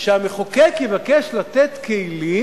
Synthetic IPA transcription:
ʃeameχokekevakeʃlat̪et̪keili

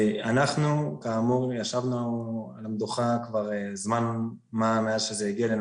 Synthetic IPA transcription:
anaχnukaːmuʁjaʃavnualamd̪uχakvaʁezman | mameazʃezejaɡialen

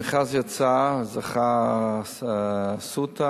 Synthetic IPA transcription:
χazjat͡sazaχa | sut̪a

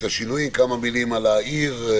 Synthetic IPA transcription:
aʃinujimkamamilimalaiʁ

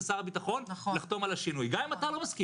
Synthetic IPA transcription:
saʁabit̪aχo̞nliχt̪o̞malaʃinujɡamimat̪alamaski

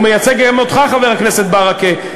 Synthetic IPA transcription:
mejat͡seɡmot̪χaχaveʁhakneset̪̚baʁake

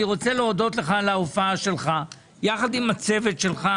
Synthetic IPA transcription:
iʁo̞t͡seleod̪o̞t̪leχalaofaaʃe̞lχa | jaχad̪imat͡se̞vet̪ʃe̞lχa

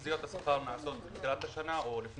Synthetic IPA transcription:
zijo̞t̪asḁχaʁnaʕaso̞t̪biχilat̪haʃanaʔolifn

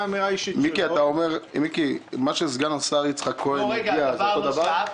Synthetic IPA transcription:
amiʁaiʃimmikiat̪aomeʁmikimaʃezɡanasaʁit͡sχakʰːoenɡiazood̪avaʁ

